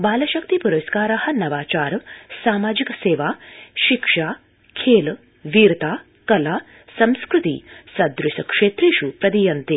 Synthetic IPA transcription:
baːlɐʃɐkt̪ipuɾɐskaːɾɐhɐ̆nɐʋaːt͡ʃaːɾsaːmaːd͡ʒikseːʋaːʃikʂaː | kʰeːl | ʋiːɾt̪aː | kɐlaː | sɐ̃mskɾut̪ḭsɐd̪ɾusɐkʂeːt̪ɾiʃupɾɐd̪ijɐnt̪eː

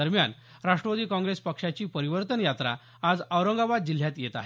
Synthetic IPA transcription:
əɾmjan | ɾaʂʈɾəʋəd̪iːkɔ̃ŋɡɾespəkʂat͡ɕiːpəɾiʋəɾt̪ənjat̪ɾa̰ | ad͡zəʋɾəŋɡabad̪̚d͡ʑil̤ːjat̪jet̪a̰ɦe

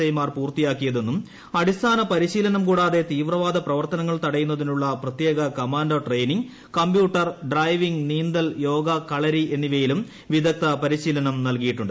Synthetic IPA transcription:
ɐjmaːrpuːrt̪ijaːkːijɐðe̞nːum | ɐɽist̪ʰaːnɐpɐɾiɕiːlɐnɐmkuːɽaːðe̞t̪iːʋrɐʋaːd̪ɐprɐʋɐrt̪ɐnɐŋːɐɭt̪ɐɽɐjun̪ːɐðinuɭːɐprɐt̪je̞ːɡɐkɐmaːnɖoʈrejniŋɡ | kɐmbjuːʈːɐrɖrɐjʋiŋɡniːnd̪ɐljo̞ːɡɐkɐɭɐɾie̞nːiʋɐjilum | ʋid̪ɐk̚t̪ɐpɐɾiɕiːlɐnɐmnɐlkijiʈːuɳɖɨ

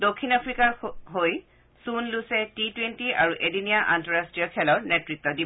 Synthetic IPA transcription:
dokʰːinapʰɹikaɹɦoj | sunlusɛtitwentiʔaɹuʔedinijaʔantɔɹastɹijɔkʰɛlɔɹnɛtɹitːɔdib

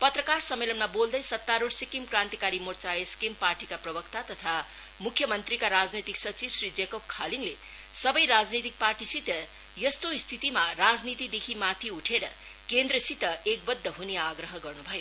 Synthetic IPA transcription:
pʌt̪rʌkarsʌmːelʌnmabold̪ʌjsʌt̪ːaɾoɽsikimkrãnt̪ikaɾimort͡saeskimparʈikaprʌbʌkt̪at̪ʌt̪ʰa | mukʰjʌmʌnt̪rikaɾad͡znet̪iksʌt͡sibsrid͡zekob̚kʰaliŋle | sʌbʌjɾad͡znit̪ik̚parʈisit̪ʌ | jʌst̪oist̪ʰit̪imarad͡znit̪id̪ekʰimat̪ʰiuʈʰeɾʌ | kend̪ɾʌsit̪ʌekbʌd̪ʱːʌɦuneaɡɾʌɦʌɡʌrnubʱʌjo

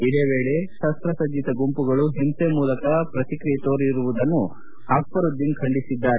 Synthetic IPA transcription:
id̪e̞ːʋe̞ːɭe̞ʃɐst̪ɾɐsɐd͡ʒit̪ɐɡumpuɡɐɭuɦimsemuːlɐkɐpɾɐt̪ikɾijet̪oːɾiɾuʋud̪ɐnːu | haːkpɐɾud̪iŋkʰɐɳɖisid̪ːaːɾe

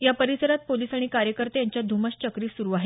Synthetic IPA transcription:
japəɾisəɾat̪̚poliːsaɽ̃ikaɾjəkəɾt̪ejaɲt͡ɕjad̪ʱuməst͡ɕəkɾiːsuɾuːaɦe

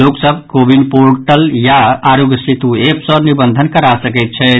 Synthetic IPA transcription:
loksəb̚ʱkobinpoɾʈəljaaɾoɡjəsit̪uepsə̃nibənd̪ʱənkəɾasəkɛt̪̚t͡ʃʰɛ

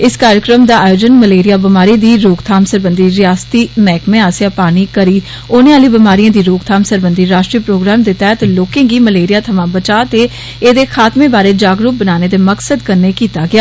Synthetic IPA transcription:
ɪskaːɾjəkɾəmd̪aːaːjoːd͡ʒənməleːɾɪjaːbɪmaːɾid̪iːɾoːkt̪ʰaːmsəɾbənd̪iːɾɪjaːst̪iːmɛːkmẽːaːseaːpaːñiːkəɾiː | oːnẽːaːliːbɪmaːɾijãːd̪iːɾoːkt̪ʰaːmsəɾbənd̪iːɾaːʃʈɾiːpɾoːɡɾaːmd̪eːt̪ɛːt̪loːkẽːɡiːməleːɾɪjaːt̪ʰəmãːbət͡ʃaːt̪eː | eːd̪eːkʰaːt̪mẽːbaːɾeːd͡ʒaːɡɾʊp̚bənaːneːt̪eːməksəd̪kəɾneːkiːt̪aːɡɪaː

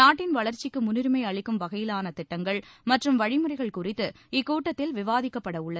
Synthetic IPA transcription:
naːʈːɪnʋɐɭɐɾt͡ʃɪkːɯmʊnɪɾmɐɪɐɭɪkːɯmʋɐɣɐjɪlaːnɐt̪ɪʈːɐŋɡɐɭmɐʈrɯmʋɐɻɪmɯrɐɪɣɐɭkʊrɪt̪ːɯ | ɪkːuːʈːɐt̪ːɪlʋɪʋaːðɪkːɐpːɐɽɐʊɭːɐð

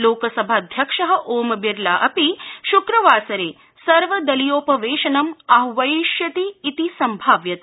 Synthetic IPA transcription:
loːkɐsɐbʱaːd̪ʱjɐkʂɐɦɐ̆ʔoːmɐbiɾlaːʔɐpiʃukɾɐʋaːsɐɾeː | sɐɾʋɐd̪ɐlijoːpɐʋeːʃɐnɐmɐɦʋɐiʃjɐt̪iːt̪isɐmbʱaːʋjɐt̪i

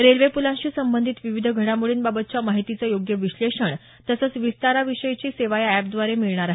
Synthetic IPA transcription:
ɾelʋepulãɕiːsəmbənd̪ʱit̪ʋiʋid̪ʱəɡʱəɽamuɭiːnbabət̪̚t͡ɕjamaɦit̪it͡səjoɡjəʋiɕleʂəɳ | t̪əsəːt͡sʋist̪aɾaʋiʂəjt͡ɕiːseʋajaɛp̚d̪ʋaɾemiɭɳ̃aɾaɦ

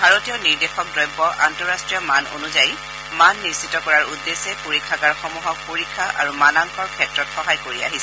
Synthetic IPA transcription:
bʱaɹotijɔniɹdexɔk̚dɹɔjbːɔʔantɔɹastɹijɔmano̰nuzaj | manːiɹsitːɔkɔɹaɹudːesɛpoɹikʰːakaɹxɔmuɦɔk̚poɹikʰːaʔa̰ɹumanaŋkʰɔɹkʰɛtɹɔtxɔɦajkoɹia̰ɦisɛ

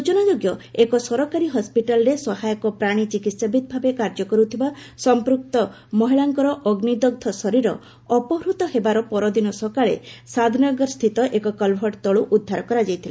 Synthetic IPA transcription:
ut͡ʃɔnɔd͡ʒoɡjɔekɔsɔɾɔkaɾiɦɔspiʈalɔɾesɔɦajɔkɔpɾaɽ̃it͡ʃikit̪sabʱid̪̚bʱabekaɾd͡ʒɔkɔɾut̪ʰibasɔmpɾuk̚t̪ɔ | mɔɦiɭaŋkɔɾɔʔɔɡnid̪ɔɡ̚d̪ʱɔsɔɾiɾɔ̰ | ɔpɔɦɾut̪ɔɦebaɾɔpɔɾɔd̪inɔsɔkaɭḛsad̪ʱinɔɡɔɾɔst̪ʰit̪ɔʔekɔkɔlbʱɔʈt̪ɔɭuʔud̪ʱːaɾɔkɔɾad͡ʒajt̪ʰila

